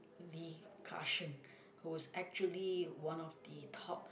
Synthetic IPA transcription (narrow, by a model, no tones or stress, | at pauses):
likʰa̰ʃə̃n | huwɔsɛk̚t͡ʃuəliwãnɔfd̪ətʰɔp̚